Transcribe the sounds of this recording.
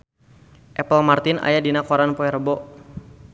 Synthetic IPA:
ʔɛpəlmart̪ɪna̰jadinakoɾanpɔɛrbɔ

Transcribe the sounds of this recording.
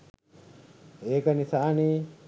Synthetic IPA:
eːkənisaʔni

